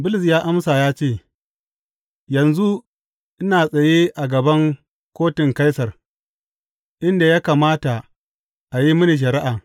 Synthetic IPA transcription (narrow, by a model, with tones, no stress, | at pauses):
bʊ˦lɪ˨s̬jaː˦ʔa˦msaː˨jaː˦t͡ʃeː˦˨ | jɐ˨nzu˦ | ʔɪ˦naː˨sʼɐ˨jeː˦ʔa˨ɡɐ˨bɐ˦ŋ | kʷoː˦tɪ˨ŋka˦jsɐ˨r | ʔɪ˦nda˨jaː˦kaː˨maː˦ta˨ | ʔa˨ji˦mʊ˦ni˨ʃ̬ɐ˨ɾi˦ʔaː˨